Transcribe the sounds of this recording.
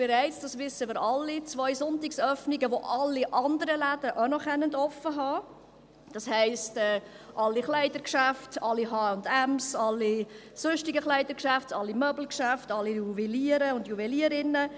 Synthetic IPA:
b̥ɛɾɛɪt͡sd̥ɑsʋɪsːəmɪːɾɑlːit͡sʋɔʏsʊntɪksœfniɡəʋoʔɑlːiʔɑndəɾəlæd̥əʔanɔχɛnəndɔfːəɦɑː | d̥ɑshɛɪstɛː | ʔɑlːiχlæɪdəɾkʃæftɑlːiɦɑːʊndæmsɑlːi | sʊnʃtiɡəχlæɪdəɾkʃæftɑlːimœbl̩kʃæftɑlːijuvɛliəɾəʊndjuvɛliəɾɪnːə

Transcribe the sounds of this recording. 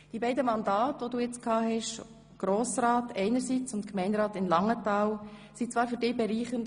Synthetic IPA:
d̥ibɛɪdəmɑndɑːtʋoduːjɛt͡skʰɑːɦɛʃ | ɡ̥ɾoːsɾaːtɛɪnəɾsit͡sʊntkʰmɛɪndɾɑːtɪmlɑŋətɑːlsit͡svɑːɾfʏɾdeːbɛɾiːχən

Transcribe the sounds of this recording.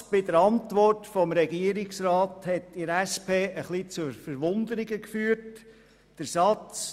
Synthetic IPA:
b̥ɪdəɾɑntʋɔrtfɔmɾɛɡiəɾɪksrɑːthɛtɪɾɛspʰeːʔəχlit͡sʊɾfəɾʋʊnd̪əɾɪɡəkfyːəɾt | d̥əɾsɑt͡s

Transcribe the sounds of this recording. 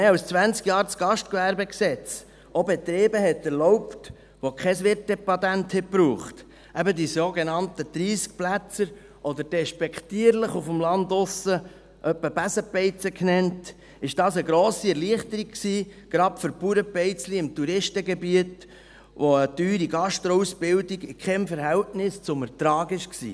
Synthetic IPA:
mɛawst͡sʋænt͡skjɑːɾt͡sɡ̥ɑʃt̚kʋæɾbɛksɛt͡s | obɛt̪ɾeːbəɦɛt̪ːɛɾlɔwpt | ʋokχɛs̬ʋɪt̚d̥ɛpɑd̪ænthɪt̚bɾuːχt | ʔæbədisoɡenɑntəd̪̥ɾiːsk̚plæt͡səɾ | ʔɔd̪əɾd̥ɛʃpɛkt̪iəɾləχufəmlɑnd̪ʊsə | ʔœpːəbæsəpɛɪt͡səkʰnɛnt | ɪʃd̥ɑːsəɡɾoːsiɛɾliəχtəɾikksiːɡ̥ɾɑpføɾpuɾəpɛɪt͡sliɪmt̪uɾɪʃtəɡɛbiət | ʋoət̪yːɾiɡɑʃtɾɔusbɪldiɡɪkʰɛmfəɾɦæltnɪst͡sʊməɾtɾɑːɡɪʃksḭː

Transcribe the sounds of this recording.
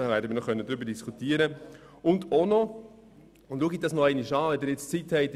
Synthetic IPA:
væːɾdəmiːnɔχœnːəd̪ɾʏbəɾdiskʰut̪iəɾə | ʊndonɔ | ʊndluəɡidɑsnɔɛɪniʃɑːvɛd̪ɪɾjɛt͡st͡sithɛɪt

